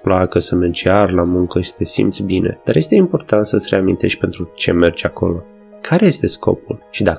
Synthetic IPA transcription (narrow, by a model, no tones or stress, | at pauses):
plakəsəmed͡ʒearlamuŋkəʃi̥t̪e̞sḭmt̪sʲbine̞̰d̪̥aɾje̞st̪e̞impo̞rt̪ant̪səsʲre̞amint̪e̞ʃ̚ʲpe̞nt̪ɾut͡ʃe̞̰me̞rt͡ʃako̞̰lo̞ | kʰaɾe̞je̞st̪e̞sko̞̰pulʃid̪a